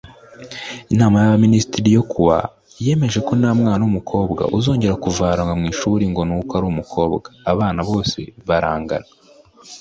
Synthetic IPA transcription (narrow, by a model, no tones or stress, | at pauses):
inaːmajaβaminisi̥tiɾijo̞kʰuβa̰ | je̞me̞ʒe̞ko̞naːmŋaːnumukʰo̞ːbɡa̰ʔuzo̞ːɲɟe̞ɾakuvaːɾaŋɡamŋiːʃuːɾiŋɡo̞nukaɾuːmukʰo̞ːbɡaːβaːnaβo̞ːse̞̰βaɾaːŋɡa̰na